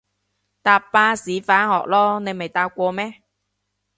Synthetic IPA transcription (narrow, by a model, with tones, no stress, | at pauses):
t̪aː˨˧pːaː˧siː˨˥faː˨˥nhɔ̰ː˨k̚lɔː˥ne˨˧jme˨˩jt̪aː˧k̚ʷɔː˧mɛː˥